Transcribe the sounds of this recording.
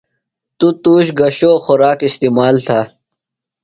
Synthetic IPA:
t̪ut̪uːɕɡɐɕoːxʊɾaːkist̪iːmaːlt̪ʰaː

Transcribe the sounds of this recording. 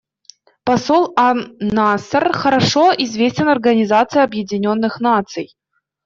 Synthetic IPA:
pɐsolˠanasərxəɾaʂoizvʲesʲtʲɪnɐrɡɐnʲɪzat̪sɨjɐbjɪdʲɪnʲonːɨxnat̪sɨj

